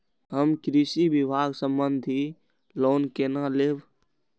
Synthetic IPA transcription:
ɦəmkɾisibibʱaɡsəmbənd̪ʱi | loːnkenaleb

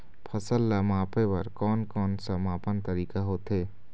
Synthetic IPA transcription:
pʰɐsəlːamaːpewɐɾkɔːnkɔːnsɐmaːpənt̪ɐɾiːkaɦoːt̪ɦeː

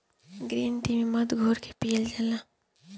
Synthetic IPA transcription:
ɡɾiːnt̪imimɐd̪ɡʱoːɾke̥pijəld͡ʒɐla

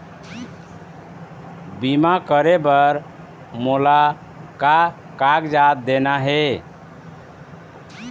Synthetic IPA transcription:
bimakəɾebəɾ | mola | ka | kaɡd͡ʒat̪̚d̪enaɦe

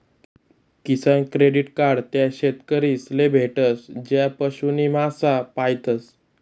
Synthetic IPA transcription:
kisənkɾeɽiʈkaɾɽt̪jaɕet̪kəɾiːslebʱeʈəsd͡ʑjapəɕunimasapajt̪əs

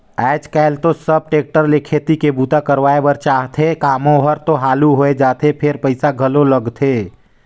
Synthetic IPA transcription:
ɛːd͡ʒkɛɦlt̪osəb̚ʈeːk̚ʈəɾlekʰet̪ikebut̪akəɾwaːebəɾt͡ʃaːɦt̪ʰekaːmõɦəɾt̪oɦaːluɦoed͡ʒaːt̪ʰepʰeɾpəɪsaɡʱəloləɡt̪ʰeː

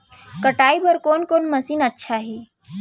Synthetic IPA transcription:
kəʈaːibəɾkoːnkoːnməsiːnətːʃʰaɦi

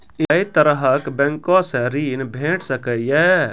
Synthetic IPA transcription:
eit̪əɾəɦəkbɛ̃ŋkɔ̃sɛ̃ɾiːnbʱeːʈʰsəkəijɛː

